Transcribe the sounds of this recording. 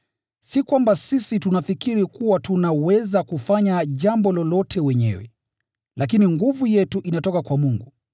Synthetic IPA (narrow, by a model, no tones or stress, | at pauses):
sikwambasisitunafikiɾikuwatunawɛzakufaɲaʄambɔlɔlɔtʰɛwɛɲɛ̰wɛ̰ | lʔak̬iniŋɡuvujɛtuʔinatɔkakwamuŋɡu